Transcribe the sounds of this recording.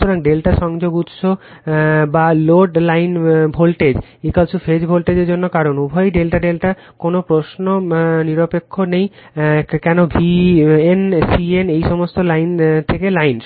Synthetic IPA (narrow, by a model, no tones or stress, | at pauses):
t̪oɾaŋɖelʈaʃɔŋd͡ʑoɡut̪ʃo | baloɖlajnbʱolʈed͡ʑ | ikalsʰufed͡ʑbʱolʈed͡ʑeɾd͡ʑonːokaɾonubʱɔjɖelʈaɖelʈa | konopɾosnoniɾopekʰːonej | kɛnobʱiensienejʃɔmost̪olajnt̪ʰekelajn